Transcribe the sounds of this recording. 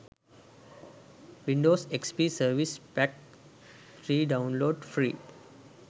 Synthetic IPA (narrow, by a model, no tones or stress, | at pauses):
ʋĩɳɖoːsekspiːsəɾʋispɛk̚ | ʈɾiːɖãʊ̃nloːɖfɾiː